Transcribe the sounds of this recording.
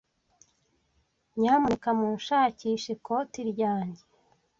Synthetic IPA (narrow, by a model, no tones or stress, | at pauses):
ɲaːmuikamuːnʃaːciʃekʰotiɾɟaːɲɟe